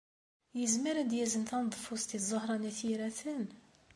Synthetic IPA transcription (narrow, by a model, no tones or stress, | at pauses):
jəzmiɾæd̪jæzənt̪ænd̪ˤfust̪izˤohɾˤɑnæθiɾæθən